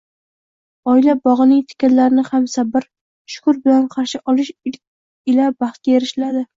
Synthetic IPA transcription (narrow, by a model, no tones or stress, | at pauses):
ɒɪlabɒʁɨnɪŋt̪ʰɪ̥kʲɪnlaɾɪnɪhamsabɪɾ | ʃʊ̥kʰʊɾbɪlanqʰɑɾʃɪʔɒlɪʃɪ | ɪlabɑχt̪̚kʲajeɾɪʃlad̪ɪ